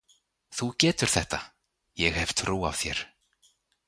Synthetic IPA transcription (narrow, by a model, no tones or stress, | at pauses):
θucɛːt̪ʏɾ̥θɛht̪a | jɛɣhɛvt̪ʰɾuːa̰v̥θjɛ̰ɾ̥